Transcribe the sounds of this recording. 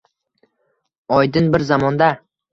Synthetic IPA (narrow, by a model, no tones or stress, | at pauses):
ɒjd̪ɪnbɪɾzamɒnd̪a